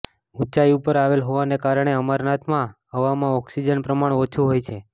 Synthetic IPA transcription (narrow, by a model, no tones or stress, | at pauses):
ut͡ʃaiupəɾaʋelɦoʋanekaɾəɳ̃eəmaɾnat̪ʰmãɦəʋamãɔksid͡ʒənpɾəmaɽeot͡ʃʰuɦojt͡ʃʰe